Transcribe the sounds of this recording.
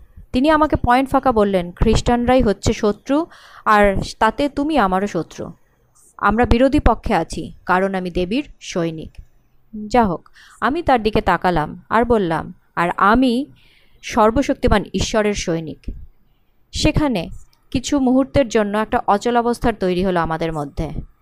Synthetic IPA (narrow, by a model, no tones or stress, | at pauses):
t̪iniamakepɔenʈfʰakabolːenkʰɾiʃʈanɾajɦotːɕʰeʃot̪ːɾu | aɾt̪at̪et̪umiamaɾoʃot̪ːɾṵ | a̰mɾabiɾod̪ʱipokʰːeat͡ɕʰḭkaɾonamid̪ebiɾʃojnḭk | d͡ʑaɦok | amit̪aɾd̪iket̪akalama̰ɾbolːa̰m | a̰ɾami | ʃɔɾboʃok̚t̪imaniʃːɔɾeɾʃojnḭk | ʃekʰane | kit͡ɕʰumuɦuɾt̪eɾd͡ʑonːoɛk̚ʈaʔɔt͡ɕolɔbost̪ʰaɾt̪ojɾiɦoloamad̪eɾmod̪ʱːe